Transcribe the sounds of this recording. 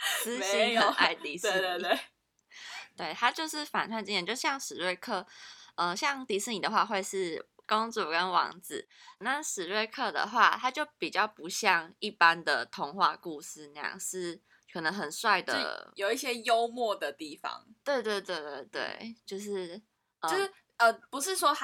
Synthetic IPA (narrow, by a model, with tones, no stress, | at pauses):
sɹ̩˥i˥ə˨˧˨a˥˧ɪt̪i˧˥se˥˧e˥˩ | t̪we˥˩ɪt̪ʰa˥t͡ɕjo˥˧ʊʂɻ̩˥˩fa̰˨˩nt̪ʰwa˥˩nt͡ɕjɛ˧˨t͡ɕjo˥˧ʂ̩˥˩ɕjɑ˥˩ŋʂɻ̩˨˩ɻe˥˧ɪkʰɤ˥˩ə˧ɕjɑ˥˧ŋt̪i˧˥sɹ̩˥˩ni˨˩d̪ə˦xwa˥˧xwe˥˧ɪʂɻ̩˥˩ko˥ŋt͡su˨˩kə˦nwɑ̰˧˥ŋd͡zɹ̩˨˩na˥˩ʂɻ̩˨˩ɻwe˥˧ɪkʰɤ˥˩d̪ə̰˩xwa˥˩t̪ʰa˥t͡ɕjo˥˩ʊpi˨˩t͡ɕjɑ˥˩ʊpu˨˧˦ɕjɑ˥˧ŋi˥˩pa˦nd̪ə˩t̪ʰo˧˥ŋxwa˥˧ku˥˩sɹ̩˥˩na˧˩jɑ̰˥˩ŋʂɻ̩˥˩ | kʰɤ˨˩nə˧˦˥ŋxə˨˩nswa˥˩ɪd̪ə̰˩jo˨˩ʊi˥˩ɕjɛ˦jo˦˥ʊmwɔ˥˨d̪ə˨˩t̪i˥˨˩fɑ̰˦ŋt̪we˥˧ɪt̪we˥˧ɪt̪we˥˧ɪt̪we˥˧˩ɪt̪wḛ˥˩ɪt͡ɕjo˥˧ʊʂ̬ɻ̩˥˩ | əo˥ʊʂ̩˥˩ | ə˧pu˧˦ʂ̬ɻ̩˥˩ʂwɔ˥